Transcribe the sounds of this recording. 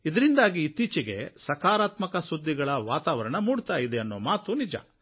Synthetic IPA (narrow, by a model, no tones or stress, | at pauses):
id̪ɐɾind̪aːɡiːt̪iːt͡ʃiɡe̞̰sɐkaːɾaːt̪mɐkɐsud̪ʱːiɡɐɭɐʋaːt̪aːʋɐɾɐɳɐmuːɽut̪aːjid̪eɐnːoːmaːt̪unid͡ʒɐ̰